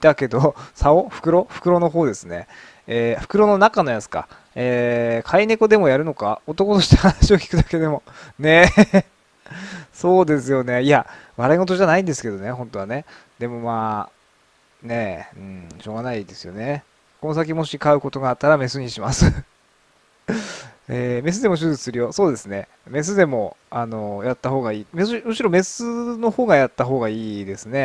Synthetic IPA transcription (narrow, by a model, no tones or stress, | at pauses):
it̪ake̞d̪o̞saoɸɯ̟̥kɯ̟ɾo̞ɸɯ̟̥kɯ̟ɾo̞no̞ɦo̞ːd̪e̞sɨne̞̰ | eːɸɯ̟̥kɯ̟ɾo̞no̞nakano̞jat͡sɨ̥ka̰ | eːkʰaine̞ko̞d̪e̞mo̞jaɾɯ̟no̞ka̰o̞t̪o̞ko̞t̪o̞ɕi̥t̪ahanaɕiokʲi̥kɯ̟d̪ake̞d̪e̞mo̞ne̞ | so̞ːd̪e̞sɨjo̞ne̞iaβaɾaiŋo̞t̪̬o̞ʑanaĩnd̪e̞sɨ̥ke̞d̪o̞ne̞ɦõ̞nt̪o̞βane̞ | d̪̥e̞mo̞maː | ne̞ɯ̃ɴɕo̞ːɡanaid̪e̞sɨjo̞̰ne̞ | kono̞s̬ak̬ʲimo̞ɕikaɯ̟ko̞t̪o̞ɡaːt̪ːaɾame̞sɨɲ̟iɕimasɨ | eːme̞s̬ɨd̪e̞mo̞ɕ̬ɨzɨsɨɾʲijo̞so̞ːd̪e̞sɨne̞ | me̞s̬ɨd̪e̞mo̞ano̞jat̪ːaho̞ːɡaiːmesɨmoɕiɾo̞me̞sɨno̞hoːɡajat̪ːaɦo̞ːɡaiːd̪e̞sɨne̞